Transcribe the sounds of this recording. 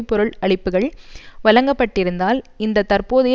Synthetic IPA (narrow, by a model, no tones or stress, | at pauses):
pːɔɾɯɭɐɭɪpːɯɣɐɭʋɐlɐŋɡɐpːɐʈːɪɾɯnd̪aːlɪnd̪ɐt̪ɐrpoːðɐjɐ